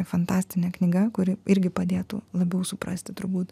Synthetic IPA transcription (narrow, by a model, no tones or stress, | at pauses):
fɐnt̪ɑːsʲt̪ʲɪnʲɛknʲɪɡɐkʊɾʲɪʔɪɾʲɡʲɪpɐd̪ʲeːt̪ṵlˠɐbʲɛʊsʊpɾɐ̰sʲt̪ʲɪt̪ʊɾbuːt̪